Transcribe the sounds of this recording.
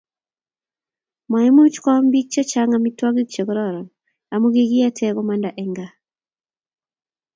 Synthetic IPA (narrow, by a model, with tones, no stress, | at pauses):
ma˨ɛ˦mu˦t͡ʃkɔ˦mbi˦k̚t͡ʃɔ˦t͡ʃa˦ŋami˦twɔ˦ɡi˦k̚t͡ʃo˨kɾɔɾɔ˨n | a˨mo˦ɡi˦ɡi˦a˦tʰɛ˦kɔ˦manda˨ʔɛŋɡa˨